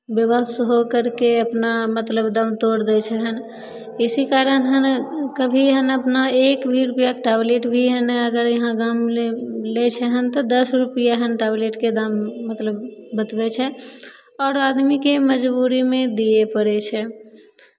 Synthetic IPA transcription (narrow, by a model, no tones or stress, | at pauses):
bjəbəsɦokəɾkeəpnamət̪ləbd̪ãmt̪oɾd̪ɛt͡ʃʰɛɦən | isikaɾənɦənkəbʱiɦənəpnaekbʱiɾupijakʈableʈbʱiɦənəɡəɾjəɦãɡamelet͡ʃʰɛɦənt̪ɔd̪əsɾupijaɦənʈableʈked̪amːət̪ləbːət̪bɛt͡ʃʰɛ | ɔːɾad̪mikeməd͡ʒbuɾimẽd̪iepəɾɛt͡ʃʰɛ